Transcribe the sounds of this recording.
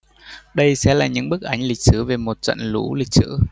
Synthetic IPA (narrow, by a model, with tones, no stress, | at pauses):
ɗə˧jsɛ̰˧˥laː˨˩ɲɨ̰˧˥ŋɓɨ˦˥ək̚ʔa˨˦jŋ̟lï˨˩k̟̚sɨ˨˦ve˨˩mo˨˩t̚t͡ɕə̰˧˨nlu˧˦lï˨˩k̟̚sɨ̰˧˥